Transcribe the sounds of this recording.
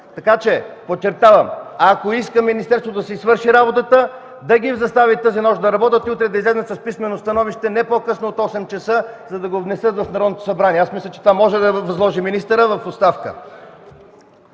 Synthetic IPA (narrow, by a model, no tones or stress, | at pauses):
t̪ɐkat͡ʃɛpott͡ʃɛɾt̪avɐmɐkoiskəminist̪ɛɾst̪vot̪d̪ɐsizvɤɾʃiɾabot̪ət̪ə | d̪ɐɡʲivzɐst̪avit̪əzinɔʃd̪ɐɾɐbɔt̪ət̪iut̪ɾɛd̪ɐizlɛznət̪sɐspismɛnost̪ɐnɔviʃt̪ɛnɛpokɤsnoːt̪ɔsɛmt͡ʃɐsəzɐd̪ɐɡovnɛsɤt̪vɐfnɐɾɔd̪not̪o̥sɐbɾaniɛasmislʲɐt͡ʃɛt̪ovamɔʒɛd̪ɐvɐzlˠɔʒiminist̪əɾəvɐfot̪st̪afkə̰